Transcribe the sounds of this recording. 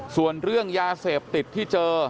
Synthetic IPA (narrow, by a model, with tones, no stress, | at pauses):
su˨˩ənɾɯ˥˩əŋjaː˧seː˨˩p̚t̪i˨˩t̪ʰːiː˥˩t͡ɕɤː˧